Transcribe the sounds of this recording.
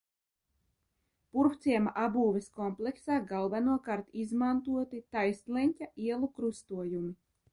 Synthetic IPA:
puɾft̪siɛmaʔabuːvɛskɔmplˠɛksaːɡalˠvanuɔkaɾt̪izmant̪uɔt̪it̪ajst̪lʲɛnʲcʲaʔiɛlˠukɾust̪uɔjumi

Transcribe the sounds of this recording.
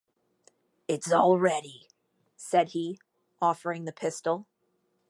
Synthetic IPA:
ɪtsl̩ˠɹɛɾi | sɛd̚i | ʔɔfə˞ɪ̃ŋðɨpʰɪstl̩ˠ

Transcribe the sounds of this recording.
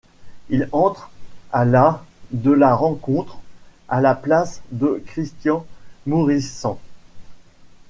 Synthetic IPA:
ilɑ̃t̪χalad̪əlaʁɑ̃kɔ̃t̪χalaplasd̪əkχist̪jɑ̃muʁisɑ̃

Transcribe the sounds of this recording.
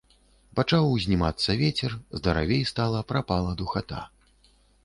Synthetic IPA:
pat͡ʂawzʲnʲimat̪sːɐvʲet͡sʲɛrzd̪ɐɾa̰vʲejst̪alˠɐpɾapalˠɐd̪uxat̪a̰

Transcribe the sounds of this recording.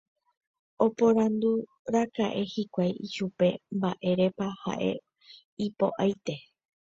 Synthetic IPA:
o̞põ̞ɾãnd̪u | ɾakaʔe̞hikʷajiʃupe̞mbaʔe̞ɾe̞paha̰ʔe̞̰ | ipo̞̰ʔajt̪e̞

